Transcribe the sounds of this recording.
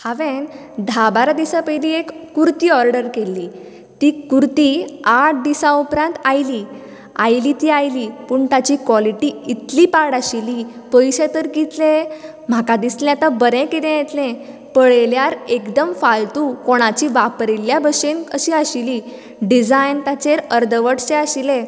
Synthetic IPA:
haʋẽn | d̪ʱabaɾad̪isapəjliekːuɾt̪iːɔɾɖəɾkelːiː | t̪iːkuɾt̪iːaʈ̚ʰd̪isãupɾãnt̪ajliː | ajliːt̪iːajliːpuːɳt̪at͡ɕikʋɔliʈiit̪liːpaɽaɕilipəjɕet̪əɾɡit̪lẽ | m̤akad̪islɛ̃at̪abəɾɛ̃kit̪ɛ̃jet̪lẽ | pəɭeljaɾekd̪əmfalt̪ukoɽ̃at͡ɕiʋapɾiljabəɕenəɕiaɕili | ɖid͡zajnt̪at͡ɕeɾəɾd̪ʱəʋəʈt͡seaɕilẽ

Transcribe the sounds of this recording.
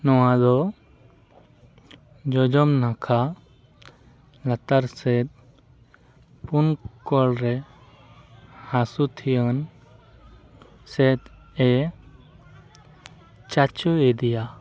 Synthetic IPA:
nɔwãd̪ɔ | d͡ʒɔd͡ʒɔmnakʰa | lat̪aɾsɛt̪̚ | punkɔlɾɛ | hãsut̪ʰijən | sɛt̪ | ɛ | t͡ʃat͡ʃɔed̪ija

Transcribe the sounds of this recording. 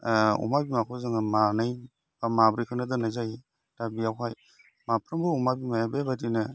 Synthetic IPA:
ṵmabimakʰɔzaŋɯmanɯj | bamabɾikʰɯnɯdɯnajzaji | dabijawkʰaj | mapʰɾɯmbɯɔmabimajabebadinɯ

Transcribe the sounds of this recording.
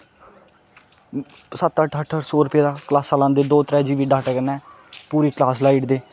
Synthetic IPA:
sət̪əʈʰəʈʰəsoːɾʊpjaːd̪aːklaːsːaːlãːnd̪eːd̪oːt̪əɾɛːd͡ʒiːʋiːɖaːʈɛːkənɛː | puːɾiːklaːs̬laːiːʈd̪eː

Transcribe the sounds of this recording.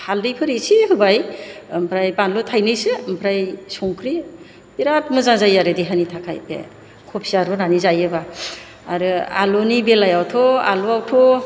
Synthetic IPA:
hʰaldijpʰɯɾisiɦɯbajmpʰɾajbanlɔtʰajnɯjsempʰɾajsɔŋkʰɾi | biɾat̚mɯzazajaɾɯdiɦanitʰakʰa̰jpʰḛ | kʰɔpʰi̥aɾɔnanizajɯba | aɾɯa̰lunibelajawtʰɔa̰luawtʰɔ

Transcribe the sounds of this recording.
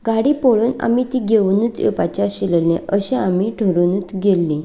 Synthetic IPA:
ɡaɽiːpoɭuːna̰mit̪iːɡeunət͡sə̰pat͡ɕaɕiləlẽʔəɕẽamiʈʰəɾunət͡sɡelːi

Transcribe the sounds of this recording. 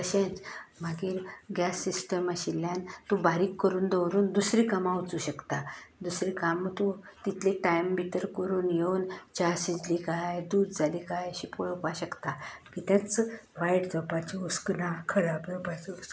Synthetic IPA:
kəɕẽt͡sm̤aɡiːɾɡjasːisʈəmaɕiljant̪ubaɾiːkːəɾuːnd̪əwɾuːnd̪usɾiːkamaut͡suːɕəkt̪ad̪usɾikamt̪u | t̪it̪ʰleʈajmbit̪əɾkəɾuːnjeunt͡ɕasid͡ʑliɡajd̪uːd̪d͡zaliɡajəɕipoɭpaɕəkt̪akit̪jãt͡sʋajʈd͡z̪ɔpat͡ɕiusknakʰəɾabd͡zɔpat͡ɕius

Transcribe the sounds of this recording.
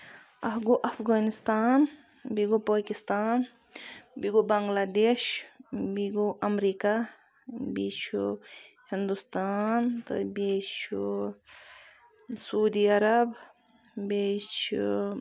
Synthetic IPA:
ɐfɡoʔɐfɣaːnɪst̪aːn | biɡopaːkist̪aːn | biɡobɐŋɡlaːd̪eːʃbiɡoʔɐmɾiːka | bḭt͡ʃʰu | hind̪ust̪aːnt̪ɐ̰bet͡ʃʰ | suːd̪iɐɾɐb | bet͡ʃʰ

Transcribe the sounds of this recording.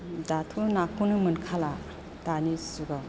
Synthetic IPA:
datʰunakʰunɯmɯnkʰala | tanisuɡa

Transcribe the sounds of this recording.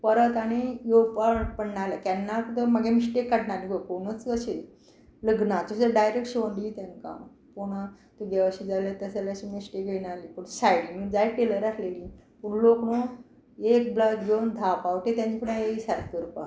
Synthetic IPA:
pəɾət̪aɽ̃ijopapəɽnalakanːakt̪əmaɡemisʈekːəɽnaliɡokoɽ̃ət͡skəɕe | ləɡnat̪əɕaɖajɾek̚ʈɕiʋənd̪it̪jaŋka̰ | poɽ̃a | t̪uɡeʋəɕid͡zaljat̪əsalaɕimisʈekjenalipəɳsajɽimid͡zajʈeləɾaslelipuɳlokno | ek̚blakɡend̪ʱapaʋt̪et̪jãɲt͡ɕipuɽajeisaɾkkəɾpa̰

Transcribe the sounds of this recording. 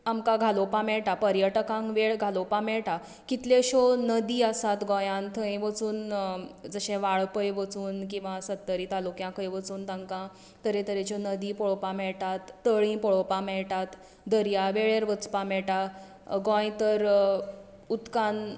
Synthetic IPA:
amkaɡʱalopamɛɭʈapəɾjəʈəkãŋkʋeɭɡʱalopãmɛɭʈa | kit̪leɕonəd̪iːəsat̪ɡɔ̃jãnt̪ʰə̃j̃ʋət͡suːnd͡zəɕẽʋaɭpəjʋət͡suːnkĩw̃ʋãsət̪ːəɾiːt̪alukjãkəjʋət͡suːnt̪ãŋkã | t̪əɾẽt̪əɾẽt͡ɕɔnəd̪iːpɔɭopãmɛɭʈat̪ːəɭĩpɔɭopamɛɭʈat̪ | d̪əɾjaʋeɭeɾʋət͡spamɛɭʈa | ɡɔ̃jt̪əɾ | ut̪kan

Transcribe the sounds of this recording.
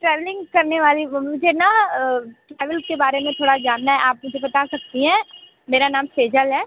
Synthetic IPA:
ʈɾɛːʋlɪ̃ŋɡkɐɾneʋaːlimʊd͡ʒʱena | ʈɾɛːʋəlkebaːɾemẽt̪ʰoːɽad͡ʒaːnːaɦɛʔaːp̚mʊd͡ʒʱebɐt̪asɐk̚t̪iɦɛ̃ː | meːɾanaːmseːd͡ʒəlɦɛː

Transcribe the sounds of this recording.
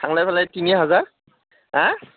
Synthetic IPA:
tʰaŋlajpʰalajtiniɦazaɹ | a

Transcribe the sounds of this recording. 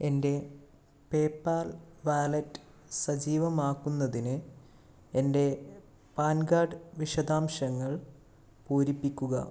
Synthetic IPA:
e̞nde̞ | pe̞ːpːaːlʋaːlɐtːɨ̥ | sɐd͡ʑiːʋɐmaːkːunːɐðinɨ | e̞nde̞ | paːnɡaːɖʋiʂɐd̪aːmɕɐŋːɐɭ | poːɾipːikʲːuɣɐ̰

